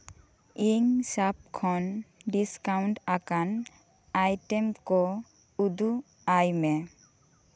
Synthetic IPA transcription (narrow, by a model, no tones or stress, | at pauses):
iŋsap̚kʰɔnɖiskawɳʈakan | ajʈemkɔ | ud̪u | ajme